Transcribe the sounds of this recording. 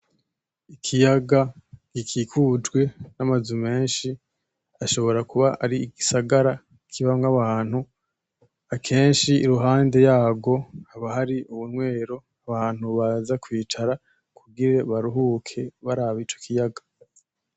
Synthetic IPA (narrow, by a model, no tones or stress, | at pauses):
ikʰijaɡaɡ̥ikʰikʰud͡ʒɡwe̞namazume̞ːnʃi | aʃo̞βo̞ɾakuβaʔaɾiiɡisaɡaɾa | kʰiβamŋaβaːn̥hu | akʰe̞ːnʃiːɾuɦaːnde̞jaːɡo̞aβahaɾiʔuβunŋwe̞ːɾo̞ | aβaːn̥huβazakwiːt͡ʃaɾa | kuɡiɾe̞βaɾuɦuːkʰe̞βaɾaβit͡ʃo̞̥kʰijaɡḁ